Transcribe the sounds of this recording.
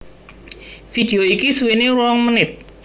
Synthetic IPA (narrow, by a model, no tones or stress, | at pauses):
fid̪̥e̤oikisuweneɾwɔŋmənɪt̪̚